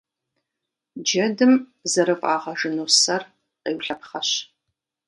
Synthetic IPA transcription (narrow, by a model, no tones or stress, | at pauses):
d͡ʒɐdɨm | zɐɾɨpʼaːʁɐʒɨnuːsɐr | qeːwɬɐpχɐɕ